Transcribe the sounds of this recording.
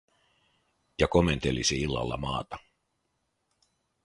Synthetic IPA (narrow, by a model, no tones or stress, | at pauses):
jɑko̞me̞nt̪e̞lisiilːɑ̰lːɑ̰mɑːt̪ɑ